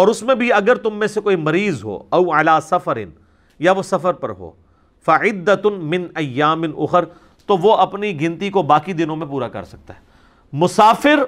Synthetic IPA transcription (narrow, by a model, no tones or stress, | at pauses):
ɔːɾʊsmẽbʱiɐɡəɾt̪ʊmːẽsekoːimɐɾiːzɦo̰ːɐʊʕɐlaːsɐfəɾɪ̰n | jaʋosɐfəɾpɐɾɦo̰ː | fɐʕɪd̪ːɐmɪ̃nɐjːaːmɪnʊ̰xəɾ | t̪oʋoʔɐpniɡɪ̃nt̪ikobaːkid̪ɪnõmẽp̬uːɾakɐ̰ɾsɐk̚t̪aɦɛː | mʊsaːfɪɾ